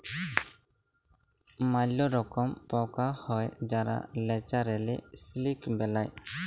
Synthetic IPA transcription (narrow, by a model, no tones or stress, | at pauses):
malɔɾɔkɔmpɔkahɔjd͡ʒaɾa̰lɛt͡ʃaɾɛlɛ̰slikbɛlaj